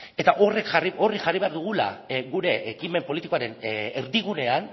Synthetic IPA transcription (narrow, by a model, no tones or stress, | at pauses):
e̞t̪aʔo̞rekʝario̞riʝariβe̞aɾðuɣ̞ula̰ɣuɾe̞ːkime̞mpo̞lit̪iko̞aɾe̞neɾðiɣ̞une̞an